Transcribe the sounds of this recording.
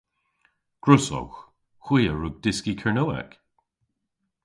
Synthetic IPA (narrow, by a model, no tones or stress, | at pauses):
ɡ̥ɹʊsɔ̰wx | xwiːəɹʊɡ̚d̥ɪskikʰɛɹnoːɛ̰k